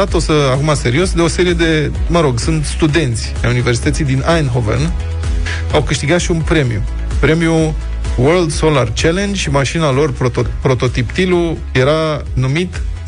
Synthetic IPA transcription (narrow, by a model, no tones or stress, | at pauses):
at̪o̞səakumase̞ɾio̞sd̪e̞o̞se̞ɾije̞d̪e̞ | məɾo̞ɡsɨnt̪st̪ud̪e̞nt̪sʲa̰junive̞rsit̪ət̪sijd̪inajnɦovə̰n | awkɨʃt̪iɡat̪ʃiunpɾe̞miju | pɾe̞miju | wərld̪so̞lart͡ʃele̞nd͡ʒʲʃimaʃinalo̞rpopɾo̞t̪o̞t̪ipt̪iluje̞ɾanumit̪